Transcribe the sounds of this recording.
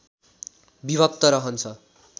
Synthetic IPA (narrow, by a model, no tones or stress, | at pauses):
biβʌk̚t̪ʌɾʌɦʌnt͡sʰʌ